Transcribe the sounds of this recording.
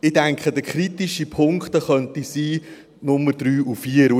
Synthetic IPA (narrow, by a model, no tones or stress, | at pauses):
ɪdæŋkχədəkʰɾitiʃipʰʊŋkχt̪əχœntisiː | nʊmːəɾdɾyːʔufiəɾ